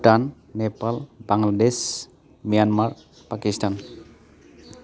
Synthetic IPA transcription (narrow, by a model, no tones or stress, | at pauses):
ʈanː | epalbaŋlades | mijanmaɹ | pakistan